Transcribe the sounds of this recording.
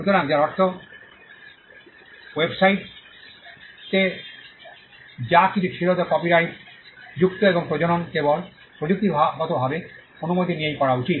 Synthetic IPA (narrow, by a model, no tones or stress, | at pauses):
ut̪oɾaŋd͡ʑaɾɔkt̪ʰːo | websajʈ | te | d͡ʑakitʰukʰiɾot̪okɔpiɾajtd͡ʑukt̪oeboŋpɾod͡ʑononkebol | pɹod͡ʑuk̚t̪ibʱaɦɔt̪obʱabe | onumot̪inijejkɔɾaut͡ɕit̪̚